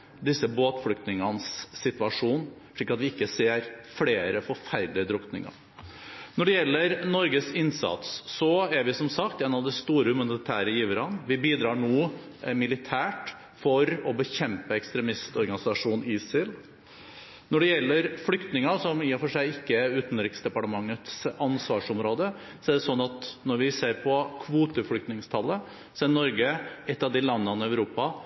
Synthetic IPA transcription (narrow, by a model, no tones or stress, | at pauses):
d̪ɪsːəboːt̪flʏk̚t̪nɪŋənsːɪt̪ʋɑʂuːn | ʂɭiːkːɑt̪ʋɪɪkːəseːɾfleːɾəfɔɾfæɾɖ̪lɪəd̪ɾʊknɪ̰ŋɑ̰ | nɔɖɛjɛlːəɾnɔɾɡəsɪnsɑ̰t̪sːɔæɾʋɪsɔmsɑkt̪ɛːnɑʋd̪ɛst̪uːɾəhʉmɑnɪt̪ʰæːɾəjiːʋəɾɑnʋɪbiːd̪ɾɑːɳoː | mɪlɪt̪ʰæːʈ | fɔɾɔbəçɛmpəɛkst̪ɾɛmɪst̪ɔɾɡɑnɪsɑʂuːnɪːsɪl | nɔɖɛjɛlːəɾflʏkt̪nɪŋɑsɔmiːɑfɔʂæɪɪkːəæɾʉːt̪nɾɪksd̪ɛpɑʈəmɑŋːət̪sɑnsʋɑːʂɔmɾoːd̪ə | sɔɛɖɛsɔnːɑt̪nɔɾʋɪseːɾpʰɔkʰʋuːt̪əflʏk̚t̪nɪŋst̪ʰɑlːə | sɔɛɾnɔɾɡəɛt̪ːɑʋd̪ɪlɑnːənœʉɾuːpɑ